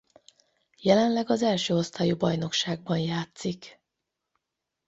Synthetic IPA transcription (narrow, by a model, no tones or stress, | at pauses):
jɛlɛnlɛɡɒzɛlʃøːost̪aːjubɒjno̞kʃaːɡ̚bɒnjaːt̪sik